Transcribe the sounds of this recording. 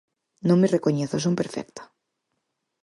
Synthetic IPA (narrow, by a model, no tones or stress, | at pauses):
nõŋmerekoɲeθʊsumpeɾfɛ̰k̚t̪ḁ